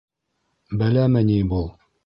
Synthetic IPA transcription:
bælæmɘnʲibulˠ

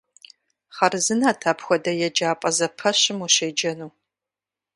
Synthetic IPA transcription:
χɐrɨzɨnaːtʰaːpxʷɔdɐjɛd͡ʒaːpʼɐzɐpʰɐɕɪmuɕeːd͡ʒɐnuː

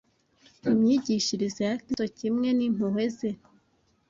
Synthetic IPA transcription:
imɲiɟiʃiɾizejakitocimŋe̞nim̥uhe̞ze

